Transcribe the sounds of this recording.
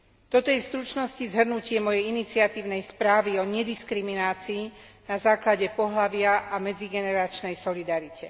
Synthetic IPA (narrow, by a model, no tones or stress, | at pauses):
d̪̥ɔt̪ɔjɛst̪ɾut͡ʃnɔscizɦr̩nucɪɛmɔjɛjinit͡siat̪iːʊnɛjspɾaːʋiɔɲɛd̪iskɾiminaːt͡siː | nazaːklaɟɛpɔɦlaʋɪaʔamɛd͡ziɡɛnɛɾat͡ʃnɛjsɔlid̪aɾicɛ